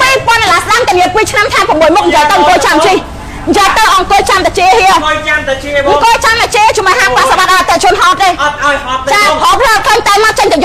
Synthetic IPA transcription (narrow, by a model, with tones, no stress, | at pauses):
piː˧po˧ənɗa˨laː˧sɗa˧mt̪ə˨˩ni˧ət̚piː˧t͡ɕʰna˧mt̪ʰaɛpəmːu˩əjmu˧k̚ni˨jə˧jt̪ə˧wŋko˧ət͡ɕa˧mt͡ɕi | n˨jə˧jt̪ə˧wʔɑ˧ŋko˧t͡ɕa˧mt̪a˨t͡ɕi˧əhi˧ə | ŋko˧t͡ɕa˧mt̪a˨˩t͡ɕi˧ət͡ɕu˧˩mə˨ɦaː˧pa˧saɓa˧t̪̚ʔa˧t̪ːə˧ʔt͡ɕŭ˧ənɦɔː˧t̪̚t̪eː˧ | t͡ɕaː˧o˧pʰləː˧t̚kʰlə˧ŋt̪a˧ma˧t̪̚t͡ɕə˧ɲŋt̪ɨ˧˩j